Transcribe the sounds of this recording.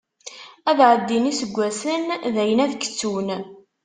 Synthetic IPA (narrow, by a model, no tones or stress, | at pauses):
æðʕəd̪ːinisəɡʷːæsənðæjənæðkːə̥t͡sːun